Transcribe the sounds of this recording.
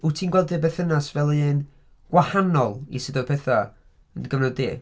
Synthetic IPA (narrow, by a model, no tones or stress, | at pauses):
utʰiːnɡwɛlˠdɨbeθənasvɛlˠɨn | ɡ̥wahanɔlˠḭsɪdɔ̥pʰɛθa | ənɡəvnɔdɪ